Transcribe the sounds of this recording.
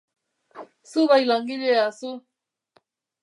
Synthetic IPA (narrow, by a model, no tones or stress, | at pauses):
suβajlaŋɡileasu